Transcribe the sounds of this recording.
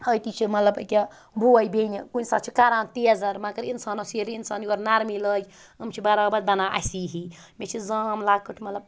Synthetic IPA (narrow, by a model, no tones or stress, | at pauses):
əjt̪it͡ʃʰimɐt̪lɐbəkʲa | buajbenikunisa̰t̪t͡ʃʰi̥kaɾaːnt̪eɐzaɾmakəɾinsaːnosiɾinsaːnioɾnaɾmiləj | əmt͡ʃʰibaɾabad̪̚bɐnaʔa̰siɦi | met͡ʃʰizamlaːkəʈʰmɐt̪ləb